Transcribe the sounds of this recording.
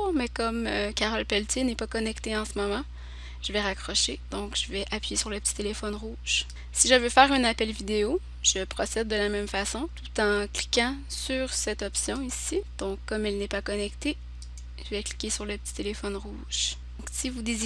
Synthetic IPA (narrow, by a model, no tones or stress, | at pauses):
mɛkɔmøkaʁɔlpɛlt̪ʰinɛpakɔnɛkt̪eɑ̃səmɔmɑ̃ | ʒ̥əvɛʁakχɔʃed̪̥ɔ̃kʒ̥əvɛʔapɥjesyʁləpə̥t̪i̥t̪elefɔnʁuːʒ̥ | siʒəvøfɛːʁɛ̃napɛlvid̪eo | ʒ̥əpχɔsɛd̪̚ːəlamɛmfasɔ̃t̪ʰu̥t̪ɑ̃kli̥kʲɑ̃ | syʁsɛt̪ɔpsjɔ̃isid̪̥ɔ̃kːɔmɛlnɛpakɔnɛkt̪e | ʒ̥əvɛkli̥kʲesyʁləpə̥t̪i̥t̪elefɔnʁuːʒ̥ | ksivud̪iz